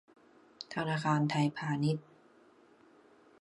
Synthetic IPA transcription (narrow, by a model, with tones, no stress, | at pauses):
t̪ʰa˧naː˧xaː˧nt̪ʰa˧jpʰaː˧ni˦˥t̪̚